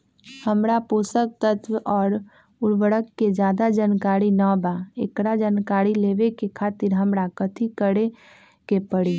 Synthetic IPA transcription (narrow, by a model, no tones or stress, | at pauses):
həmɾapoːsək̚t̪ət̪ʰʋʔɔːɾ | ʊɽʋəɽəkːed͡ʒjaːd̪ad͡ʒaːnkaːɾinəbaekɽad͡ʒaːnkaːɾileːʋekekʰaːt̪ɪɾɦəmɾakət̪ʰikəɽe | kepəɽi